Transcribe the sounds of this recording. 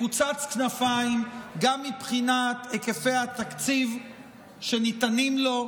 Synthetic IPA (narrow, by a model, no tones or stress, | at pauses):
ut͡sat͡sknafaimɡamːipχinat̪ekefe̞jat̪akt͡siv | ʃe̞nit̪animlo̞